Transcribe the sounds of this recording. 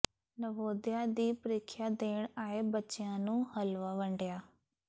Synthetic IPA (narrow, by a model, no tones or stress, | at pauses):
nəʋoːd̪ɪjaːd̪iːpəɾɪkʰːjaːd̪eːɳaːeːbətːʃɪjãːnũːhəlʋaːʋəɳɖjaː